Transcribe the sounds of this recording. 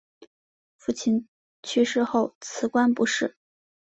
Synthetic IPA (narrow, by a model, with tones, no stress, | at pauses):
fu˥˩t͡ɕʰi˥˩n | t͡ɕʰy˥˧ʂɻ̩˥˧xo˥˩ʊt͡sʰɹ̩˧˥kwa˥npu˧˥ʂɻ̩˥˩